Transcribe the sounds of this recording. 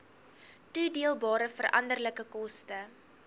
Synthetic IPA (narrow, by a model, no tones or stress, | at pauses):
tudiəlˠbɑːɾəfərʔɐ̰ndərləkəkɔstə